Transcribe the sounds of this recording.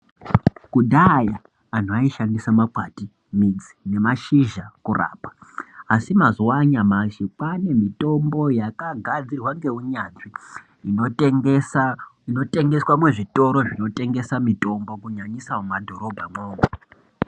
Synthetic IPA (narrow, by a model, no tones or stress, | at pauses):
kudʱajaː | n̤uaiʃandisamakwati | mid͡zine̞maʃiʒakura̰ːpḁasimazuwaɲamaʃipane̞mito̞mbo̞jakaɡʱad͡zirwaŋɡe̞uɲaʐi | inote̞ŋɡe̞swamwe̞ʐito̞ɾo̞ʐino̞te̞ŋɡe̞samito̞mbo̞kuɲaɲisaomadʱo̞ɾo̞bʱamoːma